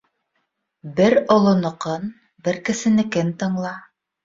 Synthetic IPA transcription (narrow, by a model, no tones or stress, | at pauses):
bɘɾŏlˠŏnŏqɤn | bɘɾkɘ̆sɘ̆nɘ̆kɘnt̪ɤ̆ɴlˠɑ